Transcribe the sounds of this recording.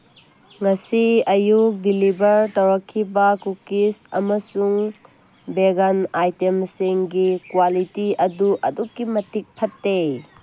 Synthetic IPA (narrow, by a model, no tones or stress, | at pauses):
ŋɐsiɐjuk̚bilibɐɾtɐwɾɐkʰːibɐkukisɐ̰mɐsuŋ | beɡɐnajtemsiŋɡikwalitiɐduʔɐdukːimɐtik̚pʰɐtːe